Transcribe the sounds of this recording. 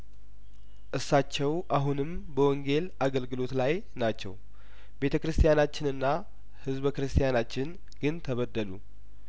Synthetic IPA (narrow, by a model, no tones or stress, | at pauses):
ʔɨsːat͡ʃːɛwʔaɦunɨm | bəwɔŋɡe̞laɡəlɡɨlo̞t̪laj | nat͡ʃːɛ̰w | be̞t̪ʰəkɾɨst̪ʰijanat͡ʃːɪnɨnːa | hɨzbkɾɨst̪ʰijanat͡ʃːɪn | ɡ̥ɨnt̪ʰəβəd̪ːəlu